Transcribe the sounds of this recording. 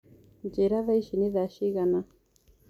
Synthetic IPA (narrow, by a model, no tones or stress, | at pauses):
nd͡ʒɛɾaβaiʃiniðaʃiɣana